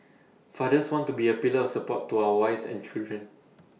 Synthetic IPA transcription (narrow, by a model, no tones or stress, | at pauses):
fadəswɔ̃ntubiəpiləɔfsəpɔ̰tʰːuawəwaɪfsɛ̰̃nt͡ʃildɹə̃n